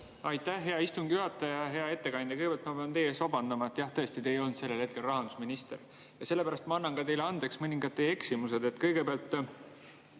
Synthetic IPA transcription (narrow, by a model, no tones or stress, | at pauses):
ɑjt̪ːæhɦe̞ɑist̪uŋɡ̥ijuɦɑt̪ːˑɑjɑɦe̞ɑe̞t̪ːe̞kɑnʲd̪̥ʲɑkɯjɡeæɑlt̪mɑpe̞ɑnt̪e̞jesɑbɑnd̪ɑmɑet̪ːjɑht̪ɤ̞e̞st̪it̪e̞jo̞lnd̪se̞lːelhet̪ke̞lrɑɦɑnd̪usminist̪e̞̰ɾ | jɑse̞lːepæɾɑst̪mɑɑnːɑŋkɑt̪e̞jleɑnd̪e̞ksmɤnʲiŋɡɑd̪t̪ːeje̞ksimuse̞d̪e̞t̪ːˑkɤjɡ̥e̞peɑlt̪ːˑ